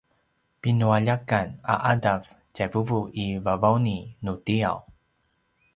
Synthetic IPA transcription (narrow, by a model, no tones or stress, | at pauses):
pinuaʎakana̰ʔadav | t͡ɕavuvuivavawninutia̰w